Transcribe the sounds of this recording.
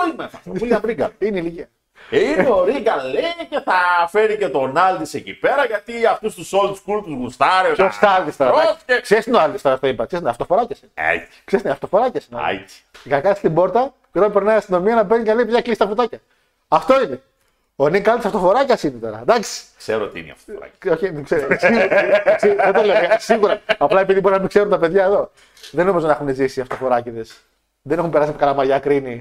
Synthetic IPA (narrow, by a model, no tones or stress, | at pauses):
limesɐt̪oulɐbɾiɡɐ̰ineiliciɐ | ineoɾiɡɐleceθɐfeɾicet̪o̞nɐlt̪isecipeɾɐʝɐt̪iɐft̪ust̪usolt̪u̥skuɾp̪uzɣust̪ɐɾeost̪ɐɐlt̪ist̪oɾɐeksest̪inoɐlt̪ist̪oɾɐft̪oipɐksesneɐft̪o̞fo̞ɾɐcɐsineḛt͡sksest̪neɐft̪o̞fo̞ɾɐcɐsinoa̰t͡si̥ʝɐɐkɐnist̪ibo̞ɾt̪ɐ | cet̪onipeɾnɐiɐst̪ino̞miɐnɐbenikɐlipeðjɐklisi̥t̪ɐfut̪ɐcɐː | ft̪o̞ine | oniŋkɐlt̪sɐft̪ofo̞ɾɐcɐsinet̪o̞ɾɐ̰d̪ɐksi̥kseɾot̪ḭn̰ɐ̰ft̪oɾɐ̰oçikseɾsiɣuɾsiðet̪oleoɐsiɣuɾɐɐplɐepiðibo̞ɾinɐmikseɾunt̪ɐpe̞ðʝɐeðo̞ | ðenomizo̞nɐexunezisiɐft̪o̞fo̞ɾɐciðes | ðenexumpe̞ɾɐsimkɐlɐmɐʝɐkɾini